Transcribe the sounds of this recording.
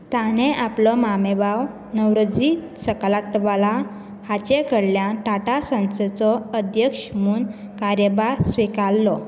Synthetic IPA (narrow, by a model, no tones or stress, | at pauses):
t̪aɽ̃eʔaplɔmamebaw | nəwɾəd͡zi | səklaʈʋala | hat͡ɕekəɽljaʈaʈasə̃nset͡sɔəd̪ʱjəkʂmuːn | kaɾjəbaɾsʋikalːɔ